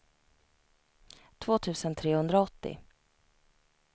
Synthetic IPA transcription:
t̪ʰvoːt̪ʰʉ̟ːsənt̪ʰɾeːhɵnd̪ɾaɔt̪ːɪ̰

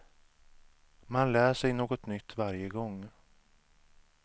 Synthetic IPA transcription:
manlæːʂɛjnoːɡɔt̪nʏt̪ːvaɾjəɡɔŋː

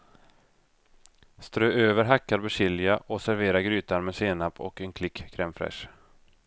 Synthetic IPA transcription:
st̪ɾøːʔøːvəɾɦakːaɾbɛɕɪlɪaʔɔsæɾveːɾaɾɡɾyːt̪aɾmɛseːnapʰːɔ̰kɛnkʰlɪkːkʰːɾɛmfɾɛ̰ʂ

